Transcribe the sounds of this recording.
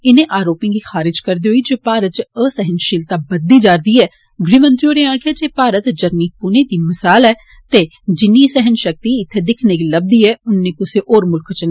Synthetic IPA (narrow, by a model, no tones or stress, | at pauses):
ɪnẽːʔaːɾoːpĩɡiːxaːɾɪd͡ʒkəɾd̪eːɦoid͡ʒeːpaːɾət̪̚t͡ʃəsɛɦənʃɪlt̪abəd̪ːiːd͡ʒaːɾd̪iːɛː | ɡɾiːmə̃nt̪ɾioːnẽãːkead͡ʒeːpaːɾət̪d͡ʒəɾniːpʊneːd̪iːmɪsaːlɛː | t̪eː | d͡ʒɪnːiːsɛɦənʃək̚t̪iɪt̪ʰːed̪ɪkʰneːkiləb̚d̪iːɛːʊnːẽkʊseʔoːɾmʊlkʰt͡ʃəna